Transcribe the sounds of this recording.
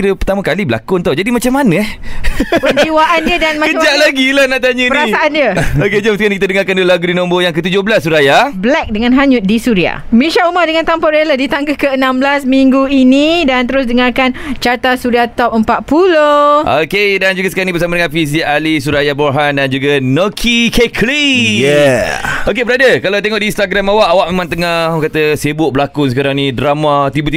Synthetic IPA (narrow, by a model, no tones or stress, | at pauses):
ɾəpərt̪amãkalibəla̰kʊnt̪ad͡ʒadimat͡ʃamːanə̃ | pəiwaʔandiədanmakəad͡ʒaʔlaɡilahnaʔt̪aɲəpəɾasaʔandjəoked͡ʒaməskankit̪adəŋaɾkandoəlaɡudinɔ̃mbojaŋkət̪ud͡ʒohbəlasːuɾajablɛk̚dəŋanɦaɲʊt̪̚disuɾia̰miʃaumadəŋant̪ampaɾelədit̪aŋɡakəənãmblasmiŋɡuinidant̪əɾʊs̬dəŋarkant͡ʃart̪asuɾiat̪ɔp̚əmpat̪̚puloʔokedand͡ʒuɡasə̥kalnibəsamadəŋanfis̬iʔalisuɾajaboɦandand͡ʒuɡanəkʰikekʰlijɛokebəɾadəkalawt̪eŋɔʔdiːnst̪aɡɾamawaʔawaʔ̚memãŋt̪əŋahkat̪əsebʊʔ̚bəlakusəkaɾaŋnĩdɾamat̪ibət̪i